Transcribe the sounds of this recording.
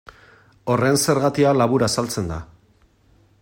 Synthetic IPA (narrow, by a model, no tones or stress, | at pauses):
o̞re̞nse̞ɾɣat̪ialaβuɾasalt͡se̞nd̪a̰